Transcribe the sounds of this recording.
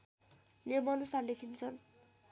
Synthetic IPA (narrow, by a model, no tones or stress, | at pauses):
nemʌnusalekʰint͡sʰʌn